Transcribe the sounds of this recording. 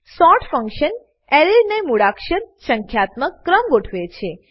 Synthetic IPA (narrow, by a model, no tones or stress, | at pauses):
sɔʈfəŋkʃən | eɾeɾnemuɽakʃənsəŋkʰjat̪məkːɾəmɡoʈʰʋet͡ʃʰe